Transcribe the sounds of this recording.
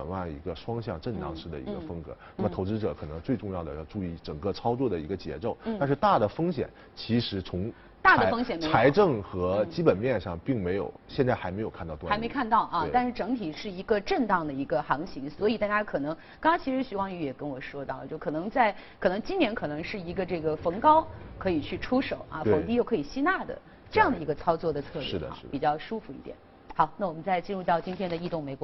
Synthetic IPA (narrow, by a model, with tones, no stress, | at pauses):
ə̰˨˩nwa˥˩ḭ˧˥ɡə˧ʂwɑ˥ŋɕjɑ˥˧ŋʈ͡ʂə˥˩nt̪ɑ̰˥˧ŋʂɻ̩˥˩d̪ə̰˩ḭ˧˥ɡə˧fɤ˥ŋkɤ̰˧˥na˥˩mə˨t̪ʰo˧˥ʊʈ͡ʂɻ̩˥ʈ͡ʂɤ̰˨˧˩kʰɤ˨˩nɤ˧˥ŋt͡swe˥˧ɪʈ͡ʂʊ˥˧ŋjɑ˥˩d̪ə̰˩jɑ˥˧ʊʈ͡ʂu˥˧i˥˩ʈ͡ʂə˨˩ŋkɤ˥˧ʈ͡ʂʰɑ˥ʊt͡swɔ˥˩d̪ə˩ḭ˧˥ɡə˧t͡ɕjɛ̰˧˥ʈ͡ʂo˥˩ʊa˥˧nʂɻ̩˥˧t̪a˥˩d̪ə˩fɤ˥ŋɕjɛ̰˨˩˦n | t͡ɕʰi˧˥ʂɻ̩˧˥t͡sʰʊ˧˥ŋ | t̪a˥˩d̪ə˩fɤ˥ŋɕɕɛ˨˩nm˧t͡sʰa˥˧˥ɪʈ͡ʂɤ˥˩ŋxɤ˧˥t͡ɕi˥pə˨˩nmjɛ˥˧nʂɑ˥˧ŋpi˥˩ŋme˧˥ɪjo̰˨˩ʊɕjɛ˥˧nt͡sa˥˩ɪxa˧˥ɪme˧˥ɪjo˨˩kʰa˥˧nt̪ɑ˥˧ʊt̪wɪ˥me˧˥ɪkʰa˥˧nt̪ɑ˥˩ʊʔɐ˧t̪a˥˧nʂɻ̩˥˩ʈ͡ʂɤ˧˥ŋt̪ʰi˨˩ʂɻ̩˥˩i˧˥ɡə˧ʈ͡ʂə˥˩nt̪ɑ˥˩ŋd̪ə˩i˧˥ɡə˧xɑ˧˥ŋɕʰi˧˥ŋswɔ˧˥i˨˩t̪a˥˧˩t͡ɕja˥kʰɤ˨˩nɤ˧˥ŋ | kɑ˥ŋɑ˥ŋt͡ɕʰi˧˥ʂɻ̩˧˥ɕy˧˥wɑ˥ŋy˧˥jɛ˨˩kə˥nwɔ˨˩ʂwɔ˥t̪ɑ˥˩ʊlə̰˨t͡ɕjo˥˩ʊkʰɤ˨˩nɤ˧˥ŋt͡sa˥˩ɪkʰɤ˨˩nɤ˧˥ŋt͡ɕi˥nnjɛ˧˥nkʰɤ˨˩nɤ˧˥ŋʂɻ̩˥˩i˧˥ɡə˧ʈ͡ʂɤ˥˩ɡə˩fɤ˧˥ŋkɑ˥ʊkʰɤ˧˥i˨˩t͡ɕʰy˥˩ʈ͡ʂʰu˥ʂo˨˩˦ʊʔɐ̰˧t̪fɤ˧˥ŋt̪i˧jo˥˩kʰɤ˧˥i˨˩ɕi˥na˥˩d̪ə̰˩ | ʈ͡ʂɤ˥˧jɑ˥˩ŋd̪ə˩i˧˥ɡə˧t͡sʰɑ˥ʊt͡swɔ˥˩d̪ə˩t͡sʰɤ˥˧lʂɻ̩˥˩d̪ə̰˩˥˧ɻ̩˥˩pi˨˩t͡ɕjɑ˥˩ʊʂu˥fu˧i˥˩t̪jɛ̰˨˩˦n | xɑ˧˥ʊna˥˩wɔ˨˩mə˦nt͡sa˥˩ɪt͡ɕi˥nɻu˥˧t̪ɑ˥˩ʊt͡ɕi˥nt̪ʰjɛ˥nd̪ə˨˧i˥˧t̪ʊ˥˩ŋme˧˥ɪkwɔ˧˥